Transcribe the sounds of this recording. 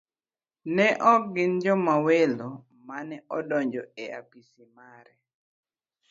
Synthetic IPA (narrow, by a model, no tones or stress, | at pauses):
nɛʔɔɡɪnd͡ʒɔmawelo | manɛɔdɔɲd͡ʒɔea̰pisimaɾɛ